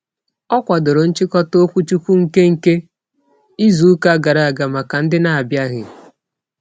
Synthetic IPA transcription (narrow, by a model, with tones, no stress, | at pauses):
ɔ˦kʷa˨do˨ɾo˨n̩˦t͡ʃɪ˦kɔ˦to˦kʷu˦t͡ʃu˦kʷu˦ŋ̩˨ke˦ŋ̩˨ke˦ | i˦zu˨u˦ka˦a˦ɡa˨ɾa˨a˨ɡa˨ma˨ka˨n̩˦dɪ˦na˨a˨bja˦ɣɪ̰˨